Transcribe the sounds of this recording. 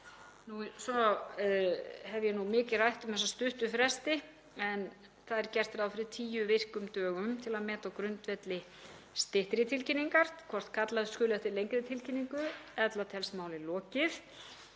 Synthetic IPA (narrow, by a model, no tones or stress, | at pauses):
nusɔ | hɛvjɛnumɪːcɪrajht̪ʏmθɛsast̪ʏht̪ʏfɾɛst̪ɪ | ɛn | θaðɛɾ̥cɛr̥t̪fɪɾawfɪɾɪt̪ʰiːjʏvɪr̥kʏmt̪œːɣʏmt̪ʰɪlaðmɛːt̪akɾʏnt̪vɛt̪lɪ | st̪ɪht̪ɾɪt̪ʰɪlcinːiŋkaɾ̥tkʰvɔr̥t̪kʰat̪laðskʏːlɛht̪ɪlejŋkɾɪt̪ʰɪlcinːiŋkʏɛt̪lat̪ʰɛlsmaːwlɪlɔːcɪθ